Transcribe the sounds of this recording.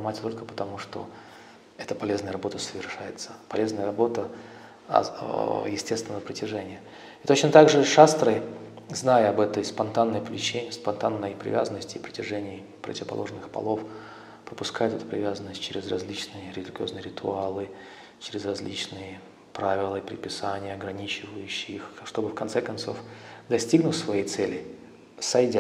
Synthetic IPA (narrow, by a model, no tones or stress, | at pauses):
matʲt̪o̞lʲkəpə̥t̪ɐmuʂt̪o̞̰ | ɛt̪əpɐlʲeznəjəɾɐbo̞t̪əsəvʲɪrʂajɪt̪sə̥pɐlʲe̞znəjəɾɐbo̞t̪ə̰ | jɪsʲtʲest̪vʲɪnəvəpɾətʲɪʐɛnʲɪjə | ɪt̪o̞t͡ɕnət̪aɡʐɨʂast̪ɾəjznajəɐbɛt̪əjspɐnt̪anːəjplʲɪt͡ɕenʲɪspɐnt̪anːəjpɾʲɪ̰vʲa̰zənːəsʲtʲɪpɾətʲɪʐɛnʲɪː | pɾə̰tʲɪvəpɐ̰lˠo̞̰ʐnːɨxpɐ̰lˠo̞f | pɾəpʊskajʊt̪ɛt̪ʊpɾʲɪ̰vʲazənːəsʲt̚ʲt͡ɕɪɾʲɪzrɐzʲlʲit͡ɕnɨjəɾʲɪd̪ʲlʲɪɡʲo̞znɨjəɾʲɪt̪ʰʊalˠɨ | t͡ɕɪɾʲɪzrɐzʲlʲit͡ɕnɨjə | pɾavʲɪlˠəpɾʲɪ̰t̚pʲɪsanʲɪjəɐɡɾɐnʲit͡ɕɪvəjʉɕːɪixʂt̪o̞bɨfkɐnt̪sɛkɐnso̞̰fd̪ɐsʲtʲiɡnʊt̪ʲsvɐjejt̪sɛlʲɪ | sɐjdʲa